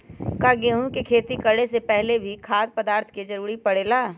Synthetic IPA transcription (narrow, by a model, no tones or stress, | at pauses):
kaɡeːɦũkekʰeːt̪ikɐɽesepɛɦlebʱikʰaːd̪̚pəd̪aːɾt̪ʰked͡ʒɐɾuːɾipɐɽeːlaː